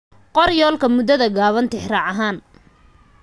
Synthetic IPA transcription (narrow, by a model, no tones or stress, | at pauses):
qɔrjɔːlkʰɐmʊd̪ɐðɐɡaːβɐnt̪ʰɪħrɑːʕɐɦaːn